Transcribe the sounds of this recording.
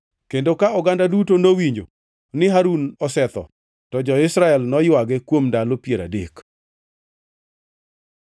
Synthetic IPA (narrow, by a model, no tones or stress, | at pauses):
kendokaʊɡandadutonowiɲd͡ʒo̰ | nɪɦaɾunɔsɛt̪ɔ̰ | tɔd͡ʒɔɪsɾaɛlnɔjwaɡɛkwomdalopjeɾa̰dek